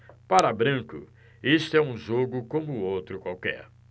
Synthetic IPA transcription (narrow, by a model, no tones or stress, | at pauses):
paɾɐbɾɐ̃kʊ̰ | est̪ʊɛũʒoɡʊkõmʊːowt̪ɾʊkwawkɛ̰ɾ